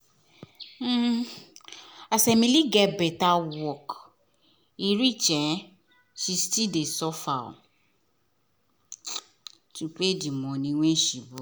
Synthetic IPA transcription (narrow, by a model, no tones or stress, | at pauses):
asɛmĩliɡɛbɛtawɔk | iɾit͡ʃɛ | ʃistidesɔfaɔ̰ | ʃuk͡pedimɔ̃nĩw̃ẽʃibo